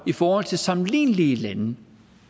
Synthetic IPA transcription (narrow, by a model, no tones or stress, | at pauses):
ifɒːhɒl̰t͡sʰe̝lsɑ̈mlḭːnlilænə